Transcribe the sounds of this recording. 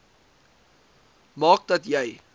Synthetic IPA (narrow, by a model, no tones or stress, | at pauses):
mɑːk̚dɐtjɛj